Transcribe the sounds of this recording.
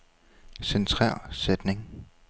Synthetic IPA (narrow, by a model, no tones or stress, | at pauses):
sent͡sʰʁɑ̰ɐ̰sed̥ne̝ŋ